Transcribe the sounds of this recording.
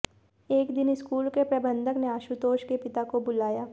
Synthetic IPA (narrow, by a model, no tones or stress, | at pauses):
eːkd̪ɪnɪskuːlkepɾɐbə̃nd̪ʱəkneaːʃut̪oːʃkepɪt̪akobʊlaːjaː